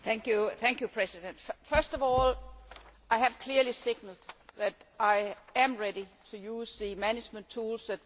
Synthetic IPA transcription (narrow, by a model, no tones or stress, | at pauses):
θæ̃ŋkjuθæ̃ŋkʰjupʰɹ̥ɛsidə̃nd̥fɜɐsd̥ɒʋɔːl | ʔaɪɦæʋ̥kʰl̥iɐlisɪɡ̥nəl̩d̥ðæɾʔaɪæ̃mɹeɾit͡sʰujuːsðɨmænɪd͡ʒmə̃ntʰuːlsæd̚